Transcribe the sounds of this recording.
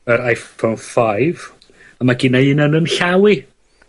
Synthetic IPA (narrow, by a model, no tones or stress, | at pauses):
əɾajfonfajv | amaɡɪnaɨnənənɬawi